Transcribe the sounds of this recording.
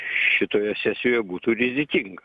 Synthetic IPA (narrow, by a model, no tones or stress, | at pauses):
ʃʲɪt̪oːjɛsʲæsʲoːjɛbuːt̪uːɾʲɪzʲɪk̪ʲɪŋɡɐ